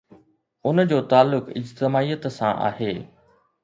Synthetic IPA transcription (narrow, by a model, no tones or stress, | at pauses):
ʊnd͡ʑoːt̪aːlːʊkɪ̰d͡ʑt̪ɪmaːiːət̪sã̰ʔa̰ːheː